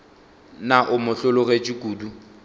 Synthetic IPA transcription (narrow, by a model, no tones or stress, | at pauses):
naʔʊmʊɬʊlʊɣet͡ʃʼikʼuːdu